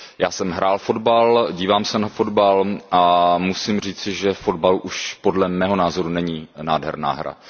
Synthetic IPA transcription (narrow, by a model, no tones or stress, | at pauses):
jaːsɛmɦɾaːlfo̞dbalɟiːvaːmsɛnafo̞dbalʔamusimr̝iːt͡sɪʒɛfo̞dbaluʔuʃpo̞dlɛmɛːɦo̞naːzo̞ɾunɛɲiːnaːdɦɛ̰ɾna̰ːɦɾa̰